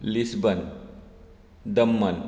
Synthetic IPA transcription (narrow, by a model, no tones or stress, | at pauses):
lisbən | d̪əmːən